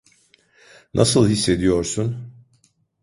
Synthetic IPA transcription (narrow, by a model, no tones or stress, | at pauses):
nʔasɯlˠhisːe̞d̪ijo̞ɾsun